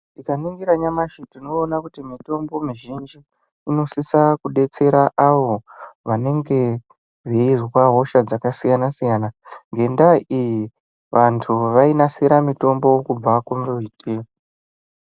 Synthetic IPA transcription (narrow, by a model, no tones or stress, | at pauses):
ndikaniŋɡiɾaɲamaʃitinoːnakutimito̞mbo̞miʒind͡ʒiː | no̞sisakuɗe̞t͡se̞ɾaʔaʋo̞ʋane̞ŋɡe̞ | ʐeizwaɦo̞ʃad͡zakasijanasijanaŋɡe̞ndaaʔiji | ʋʔantʰuʋainaseɾamito̞mbo̞kub͡vakumitʰi